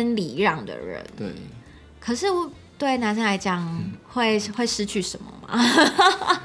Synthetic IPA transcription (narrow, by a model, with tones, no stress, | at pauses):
ə˥nli˨˩ɻɑ˥˩ŋd̪ə̰˩ɻə̰˧˦n˥˩ | kʰɤ˨˩ʂɻ̩˥˩wɔ˥˩ | t̪we˥˩ɪna˧˥ns̬ə˥nla˧˥ɪt͡ɕjɑ˧˥ŋxwe˥˧ɪxwe˥˩ɪʂɻ̩˥t͡ɕʰy˥˩ʂə˨˩˦nmə̰˨ma̰˨